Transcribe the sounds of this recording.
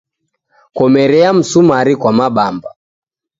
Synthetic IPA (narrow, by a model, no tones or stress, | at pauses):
kɔmɛɾɛam̩sumaɾikwamaɓamba